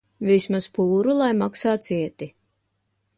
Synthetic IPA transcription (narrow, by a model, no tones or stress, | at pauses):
vismaspuːɾulˠajmaksaːt̪t̪siɛt̪i